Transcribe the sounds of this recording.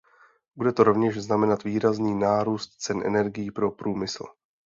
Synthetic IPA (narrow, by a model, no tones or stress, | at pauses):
budɛt̪o̞ɾo̞vɲɛʃznamɛnat̪viːɾazniːnaːɾuːst̪t͡sɛnʔɛ̰nɛɾɡɪjipɾo̞pɾuːmɪsl̩